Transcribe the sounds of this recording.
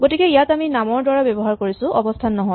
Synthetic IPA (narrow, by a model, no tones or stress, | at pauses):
ɡotikɛijataminamɔɹdwaɹabɔbɔɦaɹkoɹisʊ̃ʔɔbɔstʰanːɔɦɔj